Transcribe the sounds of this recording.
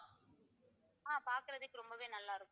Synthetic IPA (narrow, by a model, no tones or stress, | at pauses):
aːpaːɾkɯɾɐðɯkːɯɾɔmbɐʋeːnɐlːaːɪɾɯkːʊ̃